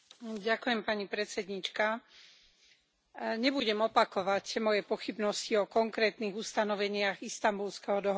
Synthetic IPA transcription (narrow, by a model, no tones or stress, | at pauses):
ɟakujɛmpaɲipɾɛt͡sɛd̪ɲit͡ʃka | ɲɛbuɟɛmɔpakɔʋacmɔjɛpɔxibnɔsciɔkɔŋkɾɛːt̪niːɣust̪anɔʋɛɲɪaɣist̪ambulskɛɦɔd̪ɔɦ